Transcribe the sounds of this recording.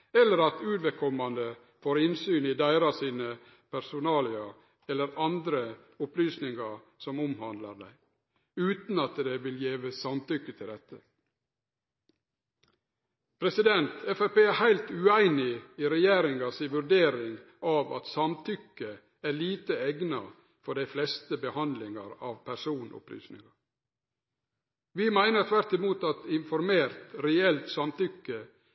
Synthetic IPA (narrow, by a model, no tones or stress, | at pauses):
ɛlːəɾɑt̪ʉːd̪ʋɛkʰɔmɑnd̪ə | foːɾɪnsyːnid̪æɪɾɑsiːnə | pʰæɾsʊnɑːlɪɑ | ɛlːəɾɑnd̪ɾə | ʊplyːsnɪŋɑ | sɔmʊmhɑnd̪lɑɾd̪æ̰ɪ | ʉːt̪nɑt̪d̪eʋɪljeːʋəsɑmt̪ʏkːət̪ʰɪld̪ɛt̪ːə | pʰɾɛsɪd̪ɛnt̪ʰɛfæpeːæhæɪlt̪ʉːæɪnɪiɾɛjeːɾɪŋɑsiːʋʉɾɖeːɾɪŋ | ʔɑːʋɑ̰t̪sɑmt̪ʰʏkːə | æːɭiːt̪əɛɡnɑ̰ | fɔɖæɪflɛst̪əbəhɑnd̪lɪŋɑɾɑːʋpʰæɾsuːnʔʊ̰ply̰ːsnɪ̰ŋɑ | ʋɪmæɪnəɾt̪ʰʋæɾt̪ɪmuːt̪ɑt̪ɪnfɔɾmeːɾt̪ɾɛɛlt̪sɑmt̪ʏkːə